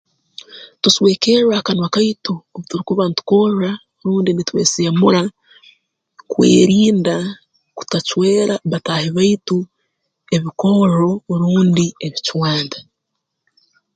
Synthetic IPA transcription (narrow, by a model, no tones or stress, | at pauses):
tuswe̞ːkeɾakanwakajtuoβutuɾikuβanitu̥ko̞ra | ɾuːndinitwe̞̰ːseːmuɾa | kwḛːɾiːnda | ku̥tat͡ʃwe̞ːɾaβatahiβajtu | e̞βiko̞ɾo̞ɾuːndieβiciwaːnda